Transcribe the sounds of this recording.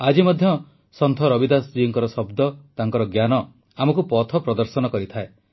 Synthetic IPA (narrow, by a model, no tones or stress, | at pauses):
ad͡ʒimɔd̪ʱjɔ | sɔnt̪ʰɔɾɔbid̪asd͡ʒiɔŋkɔɾɔsɔbd̪ɔt̪aŋkɔɾɔɡjanɔ | amɔkupɔt̪ʰɔpɾɔd̪ɔɾsɔnɔkɔɾit̪ʰae